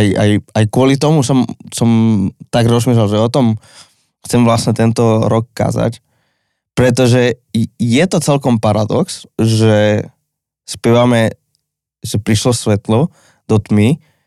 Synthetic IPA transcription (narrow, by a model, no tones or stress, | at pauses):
aja̰jajkʊɔlit̪ɔmusɔmsɔmt̪aɡɾɔzmiːʃ̬lɛlʒɛɔt̪ɔm | xt͡sɛmʋlasɲɛt̪ɛnt̪ɔɾɔkːa̰ːza̰c | pɾɛt̪̬ɔʒɛjɛt̪ɔt͡sɛlkɔmpaɾad̪ɔ̰ksʒɛ | spɛʋamɛ | ʒɛpɾiʃlɔsʋɛt̪lɔ | d̪̥ɔt̪mi